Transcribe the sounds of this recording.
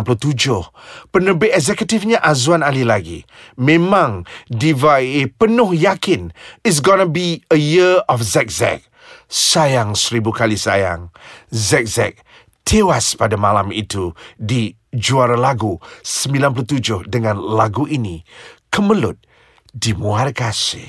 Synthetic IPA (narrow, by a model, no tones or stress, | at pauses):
nplut̪ud͡ʒʊhpənəbɪʔɛzɛkət̪ɪfɲaʔazuanalilaɡḭ | mẽmãŋdivaepənʊhjakɪnɪs̬ɡɔnəbiəjiɔfzɛk̚zɛ̰k̚ | sajaŋsəɾibukalisa̰ja̰ŋzɛk̚zɛ̰k̚ | t̪ʰewaspadamalamḭt̪udi | d͡ʒuaɾalaɡusəmbilanp̬lut̪ud͡ʒʊhdəŋãnlaɡuʔinikəməlʊt̪̚ | dimuarkasɪ̰